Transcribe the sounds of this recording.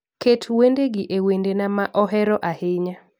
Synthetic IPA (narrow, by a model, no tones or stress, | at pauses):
ketʰwendeɡɪʔewendenamaʔɔɦɛɾɔʔahɪɲa